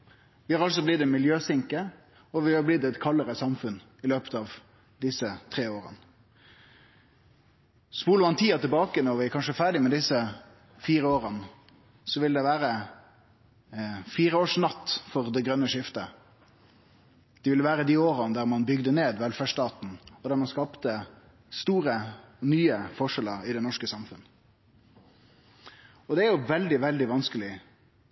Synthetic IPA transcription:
ʋɪhɑɾɑlsɔblɪt̪̚d̪ɛmɪljøːsɪŋkə | ɔʋɪhɑɾblɪt̪ːɛt̪kʰɑləɾəsɑmfʉn | ɪløːpə̥t̪ɑːʋ | d̪ɪsət̪ʰʁeːoːɾə̰n | spuːləmɑnt̪ʰiːɑt̪ɪlbɑːkənɔɾʋɪækʰɑnʂəfæːɖɪmɛd̪ɪsːə | fiːɾəoːʁən | sɔʋɪld̪ɛʋæːɾə | fiːɾəoːʂnɑt̪ːfɔʁd̪ɛɡɾœnəʂɪft̪ə | d̪̥ɛʋɪlːəʋæːɾəd̪iːoːɾɑnd̪æɾmɑnbʏɡd̪əneːd̪ʋɛlfæʂt̪ɑːt̪n̩ɔd̪æːɾmɑnskɑːpt̪ə | st̪uːɾə | nyːəfɔʂɛləɾɪd̪ɛnɔʂkəsɑmfʉnə | ɔd̪ɛæɾjʊʋɛld̪ɪʋɛld̪ɪʋɑnskəlɪ

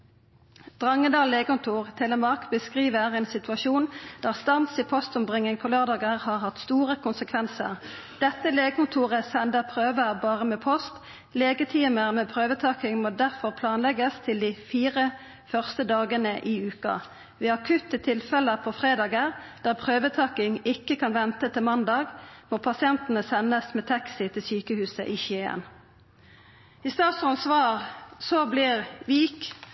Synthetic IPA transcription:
d̪̥ʁɑŋːəd̪ɑːlleːɡəkʊnt̪ʰuːʁt̪ʰɛləmɑʁkb̥əskʁiːʋəʁɛːnsɪt̪ʋɑʃuːnd̪̥æːʁst̪ɑnsiːpʰɔst̪ɔmbʁɪŋːɪŋpʰɔːløːʁd̪ɑːɡəʁhɑːʁhɑt̪st̪uːʁəkʰʊnsəkʰʋɛnsə̰ʁ | d̪̥ɛt̪ːəleːɡəkʊnt̪ʰuːʁəsɛnd̪əʁpʰʁøːʋəʁbɑːʁəmeːpʰɔst̪ | leːɡət̪ʰiːməʁmeːpʰʁøːʋət̪ʰɑːkɪŋmoːd̪æʁfɔʁpʰlɑːnlɛɡəst̪ʰɪld̪iːfiːʁə | fœʁst̪əd̪ɑːɡənəʔiːʉːkɑ̰ | ʋɪːɑkʰʉt̪ːət̪ʰɪlfɛləpʰɔfʁeːd̪ɑːɡəʁd̪̥æːʁpʰʁøːʋət̪ʰɑːkɪŋɪkːəkʰɑnʋɛnt̪ət̪ʰɪlmɑnd̪ɑːɡmoːpʰɑsɪɛnt̪ənəsɛnːəsmɛːt̪ʰɑksɪt̪ʰɪlsyːkəhʉːsə̰ʔiːçeːə̰n | ɪst̪ɑːt̪sɑnsʋɑːʁsɔblɪʁʋiːk

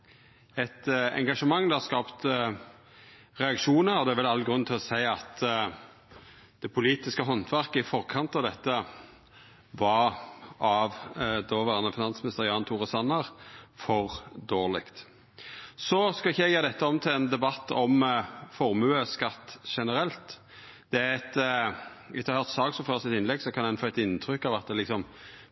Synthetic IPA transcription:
ɛt̪ɛ̰ŋɡɑʂəmɑŋːd̪ɛɑskɑːpt̪ | ɾɛɑkʃuːnəɾɔd̪ɛæɾʋɛlɑlːɡɾʉnnt̪ɪlɔsæɪɑt̪ | d̪̥ɛpʰʊliːt̪ɪskəɦɔnt̪ʰʋæʁkəɪfɔʁkʰɑnt̪ɑʋd̪ɛt̪ːə | ʋɑɾɑʋd̪oʋæːʁənəfɪnɑnsmɪnɪst̪əʁjɑːnt̪ʰuːʁəsɑnːəʁfɔʁd̪oːʁlɪkt̪ | sɔskɑlɪçːəɛɡjəːd̪ɛt̪ːəɔmt̪ʰɪlɛnd̪ɛbɑt̪ːɔmfɔʁmʉːəskɑt̪ːʃɛnəɾɛlt̪ | d̪̥ɛæʁɛt̪ | ɪɑɾhœːʁt̪sɑːɡsɔføːʁsɪt̪ɪnlɛɡsɔkʰɑnɛnfoːɛt̪ɪnt̪ʰʁʏkːɑʋɑt̪̚d̪ɛlɪksɔm

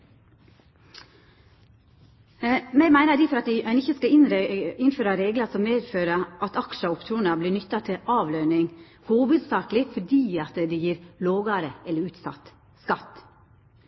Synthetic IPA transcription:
mɛmæɪnəɖ̪iːfɔɾɑt̪̚d̪ɪʔæɪnɪçəskɑnɾɪnføːɾɑɾeːɡlɑsɔmmeːd̪føːɾəʔɑt̪ɑkʃəʊpt̪ʰuːnəbliːnʏt̪ːɑt̪ʰɪʔɑːʋløːnɪŋ | huːʋʉd̪sɑːklɪfɔɖiːɑt̪d̪ɛːjiːɾloːɡɑɾəɛlːəɾʉːt̪sɑ̰t̪ | skɑt̪ː

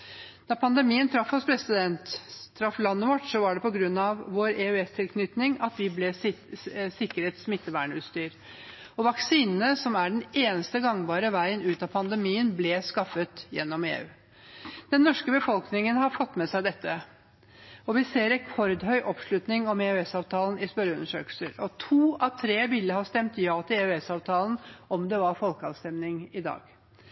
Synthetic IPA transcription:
d̪̥ɑpʰɑnd̪əmiːənt̪ʰɾɑfhɔspʰɾɛsɪd̪ɛnt̪ʰːɾɑfːlɑnːəʋɔʈsɔʋɑɖɛpɔɡɾʉnːɑʋːoːɾeːʉɛst̪ʰɪlkʰnʏt̪nɪŋɑt̪ʋɪblɛ | sɪkːəɾət̪smɪt̪ːəʋæ̰ːɳʉːt̪st̪yːɾ | ɔʋɑksiːnənəsɔmæɖɛneːnəst̪əɡɑŋːʋɑːɾəʋæɪənʉːt̪ɑpʰɑnd̪əmiːənblɛskɑfːət̪jɛ̰nːɔmḛːʉ̰ː | d̪̥ɛnːɔʂkəbəfɔlknɪŋənhɑɾfɔt̪ːmɛsæɪd̪ɛt̪ːə | ɔʋɪseːɾɛkʰɔɾd̪ɦœʏʔɔpʂlʉt̪nɪŋɔmeːʉɛsɑːʋt̪ʰɑːlnɪspœɾəʉ̰nːəʂø̰ːkəlsəɾɔt̪ʰuːɑʋt̪ʰɾeːʋɪlːəhɑːst̪ɛmt̪jɑːt̪ʰɪlʉɛsɑːʋt̪ʰɑːlənɔmd̪ɛʋɑɾfɔlkəɑlst̪ɛmnɪŋɪd̪ɑ̰ːɡ̥

